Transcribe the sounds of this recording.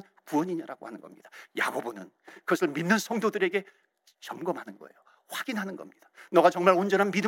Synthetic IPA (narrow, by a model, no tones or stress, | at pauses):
n | kuʌɲiɲaɾaɡo̰hanɯnɡʌ̰mɲid̥aja̰ɡobonɯn | kɯɡʌsʰɯɭminːɯnsʰʌŋdodɯɾe̞ɡe̞ | t͡ɕʌmɡʌmɦanɯnɡʌ̰e̞̰jo | ɸwaɡinɦanɯnɡʌ̰mɲid̥anʌɡat͡ɕʌŋmaɭond͡ʑʌnɦanmidɯ